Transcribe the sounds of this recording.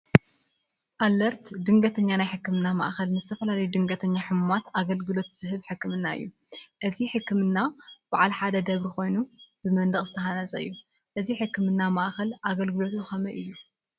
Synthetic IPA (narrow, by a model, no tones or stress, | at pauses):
ʔalːɐɾt̪d̪ɨŋɡɐt̪ʰɐɲːanajħɨkːɨmɨnːama̰ʔxɐlnɨzɨt̪ʰɐfɐlalɐjud̪ɨŋɡɐt̪ʰɐɲːaħɨmumat̪aɡɐlɡɨlo̞t̪z̥ɨhɨβħɨkːɨmɨnːaɨ̰jːu | ʔɨziħɨkːɨmɨnːab̥aʕalħad̪ɐd̪ɐβɾixo̞jnubɨmɐnd̪ɐχʼzɨt̪ʰɐɦanɐzʼɐɨ̰jːu | ʔɨziħɨkːɨmɨnːamaʔxɐlʔaɡɐlɡɨlo̞t̪uxɐmɐʔɨjːu